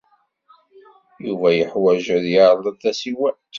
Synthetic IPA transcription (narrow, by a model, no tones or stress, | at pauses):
juvæjəħwæʒəðjɑɾˤlˤəθæsiwæ